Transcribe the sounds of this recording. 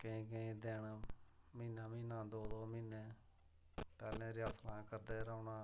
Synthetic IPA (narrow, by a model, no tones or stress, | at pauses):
kəĩːkəĩːd̪eːɳ | miːnãːmĩːnãːd̪oːd̪oːmiːnẽː | pɛːlẽːɾɪaːslãːkəɾd̪eːɾəːnãː